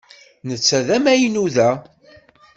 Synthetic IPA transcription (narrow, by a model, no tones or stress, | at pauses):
nət͡sːæðæmæjnuðæ